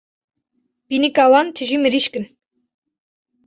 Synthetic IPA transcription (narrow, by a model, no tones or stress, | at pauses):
b̥inɨkʼawɑnt̪ʰɨʒimɨɾiʃkɨn